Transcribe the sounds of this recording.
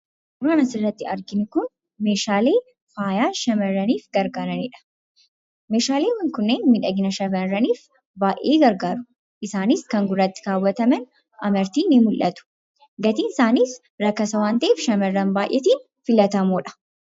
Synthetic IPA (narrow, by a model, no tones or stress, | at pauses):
ʔʔʊɾaːnɐsɪrːɐt̪ːɪɐɾɡɪnɪkʊn | me̞ːʃaːle̞ː | faːjaːʃɐmɐrːɐniːfɡɐɾɡaːɾɐniːᶑɐ̥ | me̞ːʃaːle̞ːwɐŋkʊnːeːnmɪᶑɐɡɪnɐʃɐmɐrɐniːf | baːʔeːɡɐɾɡaːɾʊ̥ | ʔɪsaːnɪskɐŋɡʊrːɐt̪ːɪ̥kaːwːɐt̪ɐmɛn | ɐmɐɾt̪iːnɪmʊlʔɐt̪ʊ̥ | ɡɐt̪iːnɪsaːniːs | ɾɐkːɐsɐwaːnt̪ɐʔeːfʃɐmɐrːɐnbaːʔjʔɛt̪iːn | fɪlɐt̪ɐmoːᶑɐ̥